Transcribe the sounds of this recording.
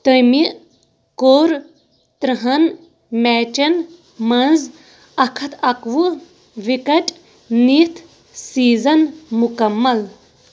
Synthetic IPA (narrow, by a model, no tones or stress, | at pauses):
t̪əjmiʔ | koːɾ | t̪ɾɐɦɐn | mɛːt͡ʃɐn | mɐnz | ɐkʰɐt̪ʰɐkʋu | ʋikɐʈʼ | nit̪ʰ | siːzɐnmukɐmːɐl